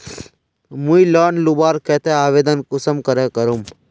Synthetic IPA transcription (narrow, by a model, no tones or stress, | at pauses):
mũilaːnlubaːɾkɛːt̪ʰeaːʋeːd̪ənkʊsəmkəɾeːkəɾum